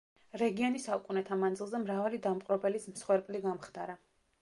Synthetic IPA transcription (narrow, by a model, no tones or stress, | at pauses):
ɾɛɡiɔnisaukʼunɛt̪ʰamand̪zilˠzɛmɾavalid̪amqʼɾɔbɛlismsχwɛɾpʼliɡamχd̪aɾa